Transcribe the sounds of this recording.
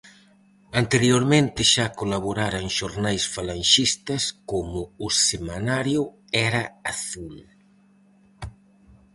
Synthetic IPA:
ant̪eɾjoɾmẽnt̪ɪʃakolaβoɾaɾaŋʃoɾnajsfalanʲʃist̪ɐskomʊːsemanaɾjʊ | ɛɾɐaθul

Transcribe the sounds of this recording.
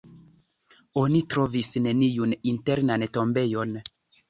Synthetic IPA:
onitɾovisne̞nijuninteɾnantombejon

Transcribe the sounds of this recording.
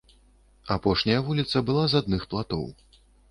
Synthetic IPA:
apɔʂnʲɐjɐvulʲit̪sɐbɨlˠazad̪̚nɨxplˠat̪ɔ̰w

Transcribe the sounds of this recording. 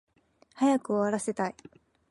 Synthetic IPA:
hajakɯ̟o̞aɾase̞t̪ai

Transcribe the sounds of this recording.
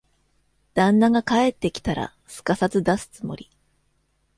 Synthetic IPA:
d̪̥ãnːaɡakae̞t̪ːe̞kʲi̥t̪aɾa̰ | sɨ̥kasat͡sɨd̪asɨ̥t͡sɨmo̞̰ɾʲi

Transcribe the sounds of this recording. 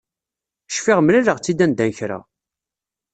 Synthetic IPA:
ʃfiʁmɾiɾəʁt͡sːid̪ænd̪ænçɾa̰

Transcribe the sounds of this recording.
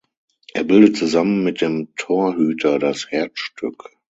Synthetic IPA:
ʔeːɐbɪldətt͡suzamənmɪt̚d̥eːmtʰoːɐhyːtʰɐdashɛɐt͡sʃtʏk

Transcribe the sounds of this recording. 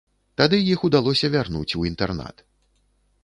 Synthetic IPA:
t̪ad̪ɨjixud̪alˠɔsʲɐvʲarnṵt͡sʲuint̪ɛrna̰t̪

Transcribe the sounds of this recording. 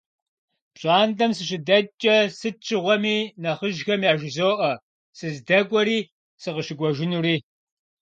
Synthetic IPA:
pɕʼaːndɐmsɨɕʼɪdɐt͡ʃʼɐsɨt͡ʃʰʼɨʁʷɔmiːnɐʁəʒxɐmjaːʒɪzoːʔɐ | sɨzdɐɡʷʼɔɾiː | sɨʁəʃɪɡʷɔʒɪnuːɾiː

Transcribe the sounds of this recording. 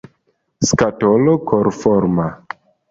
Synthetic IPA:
skatolokʰoɾfɔɾma

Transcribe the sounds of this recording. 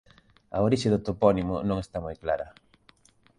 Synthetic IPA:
ɐoɾiʃeðʊt̪opɔnimonõŋest̪amojklaɾɐ

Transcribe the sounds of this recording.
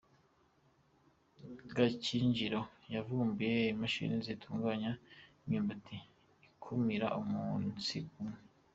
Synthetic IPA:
ɡaciɲd͡ʒiɾo̞javuːmbujeimaʃḭnizitʰuːŋɡaːɲaimɲimbatʰiː | kʰumiɾa̰ʔumunsiumŋe

